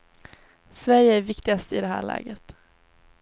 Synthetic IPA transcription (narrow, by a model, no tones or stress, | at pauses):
svæɾjəæɾvɪkt̪ɪɡast̪əɪd̪ɛhæ̰ːɭæ̰ːɡət̪